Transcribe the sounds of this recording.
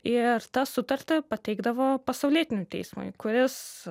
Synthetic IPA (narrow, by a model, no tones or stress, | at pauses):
ɪɾt̪ɑsʊt̪ɐɾʲt̪ʲɪpɐt̪ʲɛɪɡd̪ɐʋoːpɐsɐʊlʲiɛt̪ʲɪnʲʊtʲɛ̰ɪsmʊ̰ɪkʊɾʲɪs